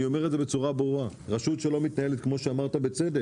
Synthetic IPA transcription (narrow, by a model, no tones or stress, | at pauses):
io̞me̞ʁeze̞be̞t͡suʁabʁua | ʁaʃut̪ʃelo̞mit̪nae̞let̪̚kmo̞ʃeamaʁt̪abe̞t͡sede